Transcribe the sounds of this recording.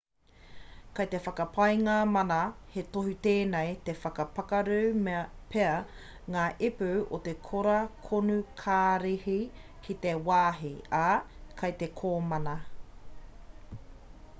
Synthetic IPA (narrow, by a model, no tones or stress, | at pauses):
kɐjt̪e̞fɐkɐpʰɐjŋɐmɐnɐhet̪oɦit̪eːnejt̪efɐkɐpɐkɐɾʉwmpʰeɐ | ŋaːʔepʉʔot̪ekʰoɾɐkʰonukʰaːɾehi | kʰit̪ewaːɦiakʰɐjt̪ekʰoːmɐnɐ